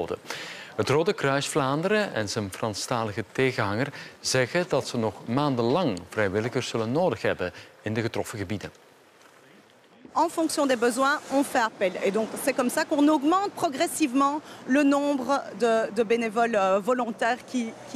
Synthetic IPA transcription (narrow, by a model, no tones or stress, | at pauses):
də̰ɦətroːdəkrœɥsflaːndəɾəɛ̰nzənfrɑnstaːləɣəteɣənɦɑŋərz̥ɛɣədɑtsənɔχmaːndəlɑŋv̥rɛjʋɪləɣərz̥ɵlənːoːdəxɦɛbənɪndəɣətrɔfəɣəbidən | ɑ̃fɔ̃ksjɔ̃d̪ebəzwɛ̃ɔ̃fɛapɛled̪ɔ̃ksɛkɔmsakɔ̃nɔɡmɑ̃t̪̚pχɔɡʁɛsivmɑ̃lənɔ̃bʁəd̪əd̪əbenevɔlvɔlɔ̃t̪ɛːʁkʲik